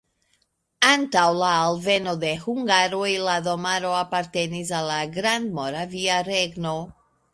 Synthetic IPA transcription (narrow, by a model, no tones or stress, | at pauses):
antawlaːlve̞no̞de̞huŋɡaɾojlado̞maɾo̞apaɾte̞nis̬alːaɡɾandmo̞ɾaviaɾe̞ɡno̞